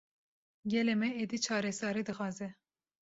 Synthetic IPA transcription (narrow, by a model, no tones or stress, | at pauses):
ɡʲɛlemɛed̪it͡ʃʰɑːɾɛsɑːɾid̪ɨxɑːzɛ